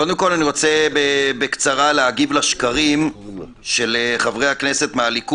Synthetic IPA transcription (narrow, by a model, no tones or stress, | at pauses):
kod̪emko̞laniʁo̞t͡sebebekt͡saʁaleaɡivlaʃkaʁim | ʃeleχavʁejhaknese̞t̪mealik